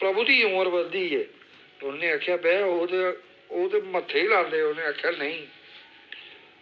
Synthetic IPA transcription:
pɾəbuːd̪iːʊ̃ːəɾbəld̪iːɛː | ʊnːẽːaːkʰːjaːbɛːoːt̪e | oːt̪eːmət̪ʰːeiːlaːld̪eːʊnẽːaːkʰjaːnəĩː

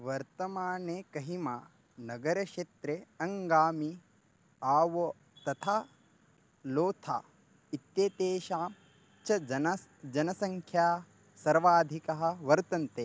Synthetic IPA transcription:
ʋɐɾt̪ɐmaːneːkɐɦimaː | nɐɡɐɾɐʃeːt̪ɾeɐŋɡaːmi | aːʋo | t̪ɐt̪ʰaː | loːt̪ʰa̰ː | it̪jeːt̪eːʃaːm | t͡ʃʰɐ | d͡ʒɐnɐsɐŋkʰjaː | sɐɾʋaːd̪ʱikɐɦɐ̆ʋɐɾt̪ɐnt̪e

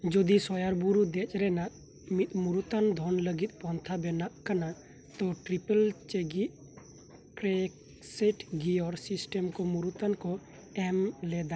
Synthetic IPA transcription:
d͡ʒɔd̪isɔjaɾbuɾud̪ɛt͡ʃʼɾɛnaʔ | mit̪̚ʼˀmuɾut̪and̪ʱɔnləɡit̪̚ˀpɔnt̪ʰabɛnaʔkana | t̪ɔʈɾipəlt͡ʃeɡiʔ̪̚ | kɾɛ | sɛʈɡiɔɾsisʈɛmkɔmuɾut̪ankɔ | ɛmlɛd̪a

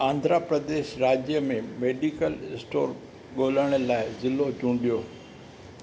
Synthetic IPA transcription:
ãːnd̪ʱɾapɾəd̪eːʃɾaːd͡ʑjəmẽmeːɖikəlɪsʈoːɾ | ɠoːləɽ̃əlaːɪzɪlːod͡ʑũːɳɖijoː

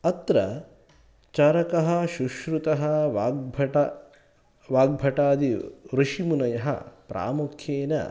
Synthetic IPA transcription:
ɐt̪ɾɐ̰ | t͡ʃɐɾɐkɐɦɐʃuʃɾut̪ɐɦɐʋːbʱɐʈɐ | ʋaːɡ̚bʱɐʈaːd̪iɾuʃimunɐjɐɦɐ̰pɾʔa̰ːmukʰjeːnɐ̰

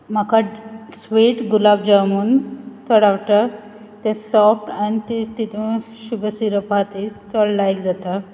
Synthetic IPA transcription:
m̤akʰasʋiʈɡulabd͡ʑamuːnt̪ɔɽawʈa | t̪ẽsɔfʈanit̪it̪it̪ʰũ | ɕubəsiɾəpat̪ist̪ɔɽlajkd͡zat̪a

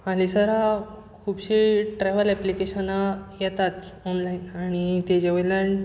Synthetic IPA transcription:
alisəɾakkʰuːbɕiʈɾɛʋəlɛplikeɕənajɛt̪at̪ɔnlainaɽ̃it̪ed͡ʑeʋəlaɳ

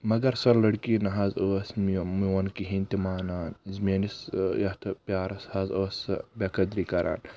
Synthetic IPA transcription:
mɐɡɐɾsɐɾlɐɽkinɐɦɐzoːsmmiwɐnkiɦint̪imaːnaːnzmeːnisjɐht̪ʰpʲjaːɾɐshɐzoːsɐ̰bekɐd̪ɾikɐɾʔa̰ːn

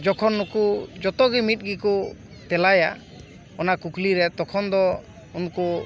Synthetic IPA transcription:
d͡ʒɔkʰɔnːukud͡ʒɔt̪ɔɡimit̪̚ˀɡiku | t̪ɛlaja̰ | ɔnakukliɾɛt̪ɔkʰɔnd̪ɔ | unku

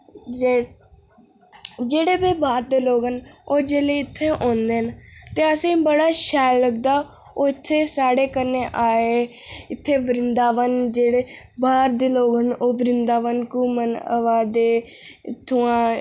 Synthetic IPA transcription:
d͡ʒeː | d͡ʒeːɽeːbeːbaːɾd̪eːloːɡɦənoːd͡ʒeːleːɪt̪ʰːeːʔõːnd̪eːɦnt̪eːəsĩːbəɽaːʃɛːlːəɡ̚d̪aː | oːɪt̪ʰːeːsaːɽeːkənːeːʔaːeː | ɪt̪ʰːeːʋəɾɪnd̪aːʋənd͡ʒeːɽeː | baːɾd̪eːloːɡɦənoːʋəɾɪnd̪aːʋənkuːmənə̰ʋaːd̪eː | t̪ʰːʊːãː

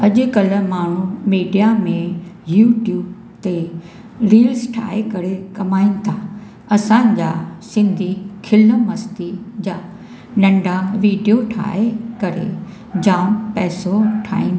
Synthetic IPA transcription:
ɐʄʊ̆kɐləmaːɳ̤umiːɖijamẽjuːʈjuːb | t̪e | ɾiːlsʈʰa̰ːɦekɐɾekɐmaːinɪ̆t̪ʰa | ɐsãːɪ̃ɲd͡ʑaːsɪ̃nd̪ʱikʰɪləmɐst̪id͡ʑaː | nɐ̃ɳɖʱaʋiːɖijoʈʰa̰ːekɐɾḛ | d͡ʑaːmpɛːsoʈʰa̰ːĩn

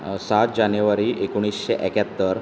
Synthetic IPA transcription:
sat̪̚d͡ʑanjuʋaɾiʔekuɽ̃isɕeʔɛkjat̪ːəɾ

